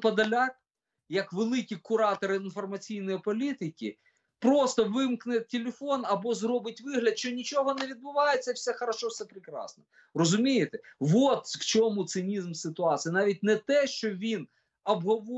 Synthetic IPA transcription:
pɐd̪ɐlʲak̚ | jɐkʋelˠɪkʲikʊɾɑt̪ɔɾɪɪnfɔrmɐt͡sʲijnɔjipɔlʲit̪ɪkʲḭ | pɾɔst̪ɔʋɪmknɛtʲːelʲefɔnɐbɔzɾɔbɪt̚ʲʋɪɦlʲɐd̪ʃt͡ʃɔnʲit͡ʃɔɦɔnɛʋʲid̪̚bʊʋɑjet͡sʲːɐwsʲɛxɐɾɐʃɔwsɛpɾɪkɾɑ̰snɔ | rɔzʊmʲijɪt̪ɛʋɔt̪ft͡ʃɔmʊt̪sɪnʲizmsɪt̪ʊɑsʲɨjɐnɑʋʲit̚ʲnɛt̪ɛʃt͡ʃɔʋʲin | ɐbɦɔʋɔ

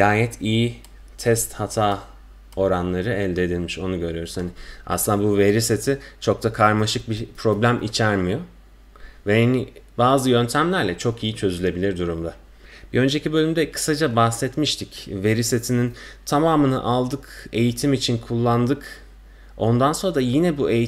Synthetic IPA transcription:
jaːjɛt̪ʰiji | t̪ʰɛst̪hat̪ʰaː | o̞ɾanlˠaɾɯɛlʲd̪ed̪ilʲmiʃo̞nuɟø̞ɾyjo̞ɾushania̰sˠɯnd̪abuve̞ɾiset̪ʰit͡ʃʰo̞k̚t̪akʰaɾmaʃɯk̚bipʰɾo̞blʲæmʔḭt͡ʃʰæɾmijo̞ | vɛhanibaːzɯjø̞nt̪ʰæmlʲæɾlʲɛt͡ʃʰokijit͡ʃʰø̞zylʲe̞bilʲiɾd̪uɾumd̪a | b̥iø̞nd͡ʒe̞cibø̞lʲymd̪ɛkʰɯ̥sad͡ʒabahsɛt̪miʃt̪ʰicve̞ɾiset̪ʰinint̪ʰamaːmɯnɯ̰ʔalˠd̪ɯke̞jit̪ʰimit͡ʃʰinkʰulˠːand̪ɯk | o̞nd̪anso̞nɾdajinɛbue̞ji

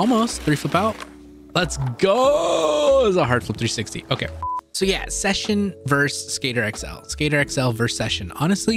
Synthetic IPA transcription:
ɔlˠmoʊstθɹifʊpaʊt̚ | lətsɡ̥o | zəɦɑɹd̥flʊp̚θɹisɪkstḭʔoʊkʰeɪsoʊjæ̰sɛʃɨ̃nvɜ˞sːkeɪɾə˞ɛksɛ̰lˠskeɪɾə˞ɛksɛlˠvɜ˞sɛʃɨ̃nɑ̰nɨstˡli

